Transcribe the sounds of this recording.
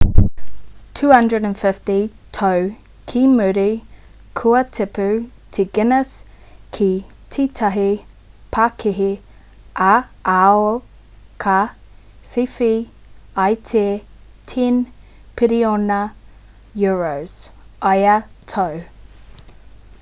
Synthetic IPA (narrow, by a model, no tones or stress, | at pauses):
tʰʉːhɐ̃ndɹədə̃nfɪftitʰow | kʰimʉɾi | kʰuɐtʰɪpʉ | tʰiɡɪnəs | kʰi | tʰitʰɐɦi | pʰakʰiɦi | ʔaao | kʰa | fifi | ajtʰe | tʰin | pʰɪɾionɐ | juɹoz̥ | ʔajə | tʰow